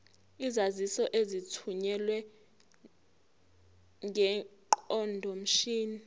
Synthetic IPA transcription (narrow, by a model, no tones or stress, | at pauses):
izazisɔʔezitʰuɲɛlwɛ | ŋʱɛǃɔndʱɔm̩ʃiːni